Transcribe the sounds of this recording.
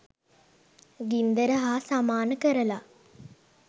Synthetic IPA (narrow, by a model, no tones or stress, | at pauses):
ɡind̪əɾəɦaːsamaːnəkəɾəla